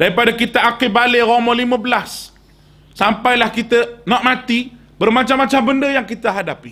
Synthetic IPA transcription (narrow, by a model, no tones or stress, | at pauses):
daɾipadakit̪aʔakɪbaleɾɔmɔ̃limə̃bəlasː | ampajlahkit̪ənɔ̃ʔmãt̪i | bərmãt͡ʃamːat͡ʃambəndəjaŋkit̪əɦadapi